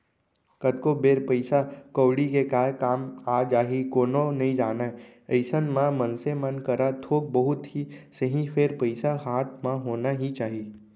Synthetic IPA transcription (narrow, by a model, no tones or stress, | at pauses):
kəd̪̚kobeːɾpəɪsakoːɽikekaːkaːmaːd͡ʒaːɦikoːnonɐɦĩd͡ʒaːnaəɪsənmãmənsemənkəɾat̪ʰoːk̚bəɦʊt̪ɦisəɦĩpʰeɾpəɪsaɦaːt̪̚mãɦoːnaɦit͡ʃaːɦi